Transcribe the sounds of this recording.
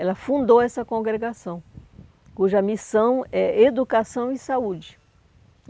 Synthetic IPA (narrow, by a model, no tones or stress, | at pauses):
ɛlɐfũnd̪oɛsɐkõɡɾeɡasɐ̃w̃ | kuʒɐmisɐ̃w̃ɛed̪ukasɐ̃w̃ɪsaud͡ʒɪ